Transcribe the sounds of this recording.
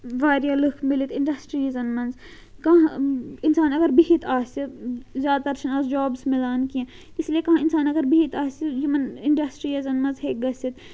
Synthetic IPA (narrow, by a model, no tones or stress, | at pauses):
ʋaːɾjalukʰmɪlit̪ɪ̃ɳɖɐsʈɾiːzɐnmɐnz | kɐɦãɪnsaːnɐɡɐɾbiɦit̪ʰaːsizjaːd̪̚t̪ɐɾt͡ʃʰɐnaːzd͡ʒɔːbsmɪlaːnkiẽ | ɪslijekɐɦãːɪnsaːnɐɡɐɾbiɦit̪aːsijimɐnɪɳɖɐsʈɾijɐzɐnmɐ̃nzɦeːk̚ɡɐsit̪